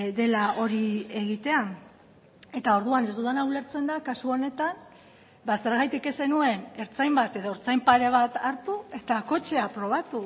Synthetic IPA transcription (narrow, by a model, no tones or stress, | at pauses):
d̪e̞lao̞ɾie̞ɣ̞it̪e̞a | e̞t̪ao̞ɾðuane̞zd̪ut̪anaule̞ɾt͡se̞nd̪akasuo̞ne̞t̪an | base̞ɾɣajt̪ike̞se̞nue̞ne̞ɾt͡sajmbat̪e̞ðo̞oɾt͡sajmpaɾe̞β̞at̪aɾt̪ue̞t̪ako̞t͡ʃe̞apɾo̞β̞at̪u